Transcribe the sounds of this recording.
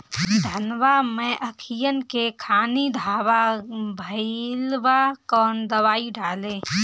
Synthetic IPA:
d̪ʱənʋamẽʔɐkʰijənkekʰaːnid̪ʱaːʋabʱəilʋakɔːnd̪əʋaːiɖaːlẽː

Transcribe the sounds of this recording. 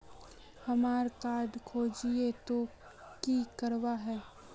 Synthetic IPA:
hɐmaːɾkaːɖkʰoːd͡ʒiet̪o | kikɐɾwaɦɛː

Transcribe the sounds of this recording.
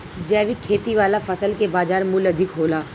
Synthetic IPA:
d͡ʒɛːʋikʰeːt̪iʋaːlafɐsəlkebaːd͡ʒaːɾmʊlɐd̪ʱɪkɦoːlaː

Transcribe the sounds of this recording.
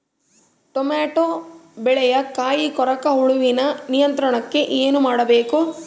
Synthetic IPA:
ʈɔmaːʈoːbɛɭɛjɐkaːjikɔɾɐkɐɦuɭuʋinɐnijɐnt̪ɾɐɳɐkːe̞ʔeːnumaːɽɐbeːku

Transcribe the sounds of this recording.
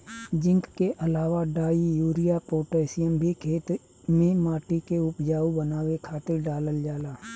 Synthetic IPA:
d͡ʒɪ̃ŋkkeʔəlaːʋaɖaːijuːɾijapoːʈɛːsɪjəmbʱikʰeːt̪ | mẽmaːʈikeʊpd͡ʒaːubənaːwekʰaːt̪ɪɾɖaːləld͡ʒaːlaː

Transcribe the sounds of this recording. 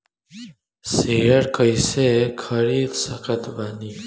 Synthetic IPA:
sejəɾkəjsekʰəɾid̪səkət̪bani

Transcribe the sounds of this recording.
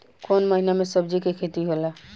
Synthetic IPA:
konməɦinamesəb̚d͡ʒikekʰet̪iɦola

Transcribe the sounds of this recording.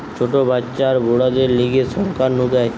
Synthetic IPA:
t͡ʃʰoʈobat͡ʃaɾboɽad̪eɾliɡesɔɾkaɾnud̪ae

